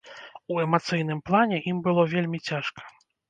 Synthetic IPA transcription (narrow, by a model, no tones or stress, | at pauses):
uɛmat̪sɨjn̪ɨmplˠanʲɛʔimbɨlˠɔvʲelʲmʲit͡sʲaʂkʰɐ̥